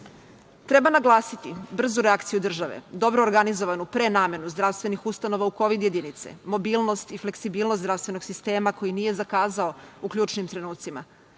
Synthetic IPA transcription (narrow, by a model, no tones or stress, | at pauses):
t̪ɾe̞banaɡlˠaːsit̪ibr̩zuɾeakt̪sijud̪r̩ʒaʋḛd̪o̞bɾoːɾɡanizo̞ʋanupɾenaːme̞nuzd̪ɾafst̪ʋe̞nixust̪ano̞ʋauko̞ʋid̪je̞d̪init̪sḛmo̞biːlˠno̞st̪ifle̞ksibiːlnosɾavst̪ʋe̞no̞ɡsist̪e̞ːmako̞jinije̞zakaːzao̞ukʎʲuːt͡ʃnimt̪ɾe̞nuːt̪sima̰